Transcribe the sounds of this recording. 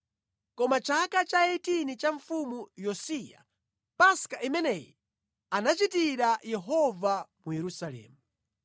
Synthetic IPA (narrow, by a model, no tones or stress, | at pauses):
kɔmat͡ʃʰakat͡ʃaɛtinit͡ʃaɱfumujɔsija̰ | paskaʔimɛnɛːjɛ | anat͡ʃitiɾajɛɦɔvamujɛɾusalɛ̰ːmu